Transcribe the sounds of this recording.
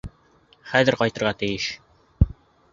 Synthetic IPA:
χæðɘɾqɒjt̪ɤ̆ɾʁɑt̪ɘ̆jɘʃ

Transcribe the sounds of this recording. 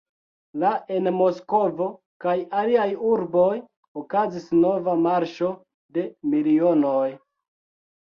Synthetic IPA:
laʔe̞nmo̞sko̞vo̞ | kajaliajuɾbo̞j | okazisno̞vamaɾʃo̞ | de̞milio̞no̞j

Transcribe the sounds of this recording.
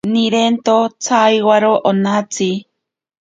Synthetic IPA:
niɾent̪ot͡sʰajwaɾoʔonat͡si

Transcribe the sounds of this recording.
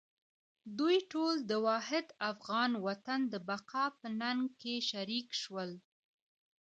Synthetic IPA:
d̪ujʈold̪əwɑhɪd̪afɣɑnwat̪and̪əbaqɑpənaŋɡkeʃaɾikʃwəl

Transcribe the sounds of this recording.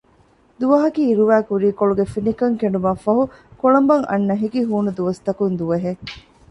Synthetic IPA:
d̪uʋɐɦɐkiːɾuʋæːkuɾiːkoɭuɡefinikɐŋkeɳɖumɐfɐɦukoɭɐmbɐŋʔɐ̰nːɐɦikiɦuːnud̪uʋɐst̪ɐkund̪uʋɐɦe

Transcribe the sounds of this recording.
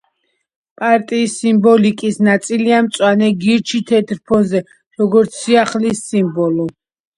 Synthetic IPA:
pʼaɾt̪ʼiːsːimbɔlikʼisnat̪sʼiliamt̪sʼwanɛɡiɾt͡ʃʰit̪ʰɛt̪ʰɾpʰɔnzɛ | ɾɔɡɔɾt̪sʰːiaχlisːimbɔlɔ

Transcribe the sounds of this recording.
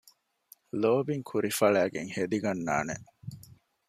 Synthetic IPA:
loːbiŋkʰuɾifɐɭæːɡeŋhed̪iɡɐnːa̰ːnḛʔ

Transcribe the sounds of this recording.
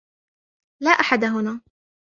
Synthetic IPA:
laːʔaħad̪ɦʊnaː

